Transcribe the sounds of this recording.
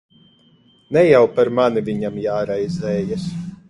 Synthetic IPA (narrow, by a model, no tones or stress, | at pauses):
nɛjawpaɾmanivʲiɲamjaːɾajzɛːjas